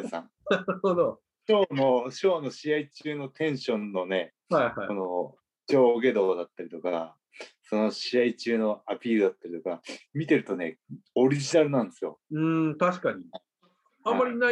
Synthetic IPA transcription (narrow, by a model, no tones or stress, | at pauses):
sã̰ŋnaɾɯhod̪o | ɕo̞ːno̞ɕo̞ːno̞ɕiait͡ɕɨːno̞t̪ẽ̞ɰ̃ɕõ̞nːo̞ne̞ | haihaono | t͡ɕo̞ːɡe̞d̪o̞ːd̪at̪ːaɾʲit̪o̞ka̰ | so̞no̞ɕiait͡ɕɨːno̞apʲiːɾɯ̟d̪at̪ːaɾʲit̪o̞kamʲit̪e̞ɾɯ̟t̪o̞ne̞̰oɾʲiʑinaɾɯ̟nãnd̪e̞sɨjo̰ɯ̃t̪aɕi̥kaɲia | ãmːaɾʲina